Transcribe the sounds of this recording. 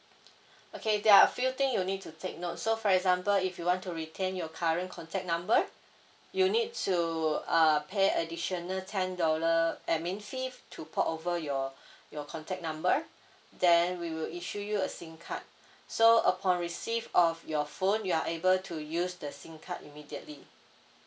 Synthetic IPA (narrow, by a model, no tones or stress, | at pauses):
okʰedɛaəfilt̪ĩŋjunid̚tːutʰek̚not̚sofɔɹɛkzãmpəlifjuwɔ̃ntuɹitʰẽnjɔkʰaɹə̃nkʰɔ̃ntʰɛk̚nãmbə | junid̚tʰuapʰeədiʃənəltʰɛ̃ndɔləʔɛmĩnfiftʰupʰɔʔovəjɔjɔkʰɔ̃ntʰɛk̚nãmbə | dɛ̃nwiwiliʃujuəsĩŋkʰa̰t̚ | soəpʰɔ̃nɹisivɔfjɔfõnjuaʔebəltʰujusdəsĩŋkʰa̰timidiətli